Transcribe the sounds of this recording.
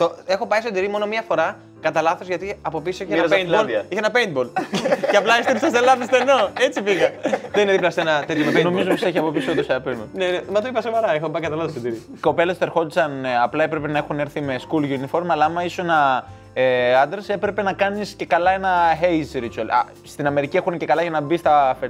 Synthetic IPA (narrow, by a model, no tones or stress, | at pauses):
t̪oexo̞pɐjsod̪iɾimo̞no̞miɐfoɾɐ | kɐt̪ɐlɐθo̞zʝɐt̪iɐpo̞pisoiçeened̪boliçeenɐpeind̪boleɐplɐest̪iɾisɐselɐðist̪enoet͡sifiɣɐðenineðiplɐsenɐt̪et̪jomeno̞mizoposeçiɐpo̞pisiot̪oseɐpenbonenemɐt̪ɐipɐsovɐɾɐexopɐikɐt̪ɐlɐθosd̪iɾi | ko̞pe̞lest̪ɾxo̞t̪i̥t͡sɐnɐplɐe̞pɾepe̞nɐexuneɾθime̞skulʝunifo̞ɾmɐlɐɐmɐisoenɐ | eɐnd̪eɾse̞pɾe̞pe̞nɐkɐnisce̞kɐlɐe̞nɐxejsɾit͡suɐl̰ | st̪inɐme̞ɾicie̞xunece̞kɐlɐʝɐnɐbist̪ɐfe